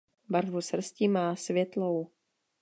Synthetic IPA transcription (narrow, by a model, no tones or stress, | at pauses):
baɾvusr̩scimaːsvjɛt̪low